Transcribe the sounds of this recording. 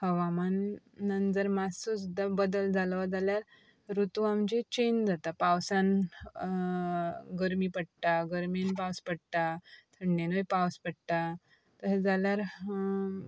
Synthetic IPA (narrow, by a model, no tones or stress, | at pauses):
həʋamanː | ənd͡zəɾmasusd̪abəd̪əld͡zʱalʋad͡zaljaɾ | ɾut̪uamd͡ʑet͡ɕend͡zat̪apawsãn | ɡəɾmiːpəɽʈ̪aɡəɾminpawspəɽt̪at̪ʰəɳːenəjpawspəɽt̪a | t̪əsed͡zaljaɾ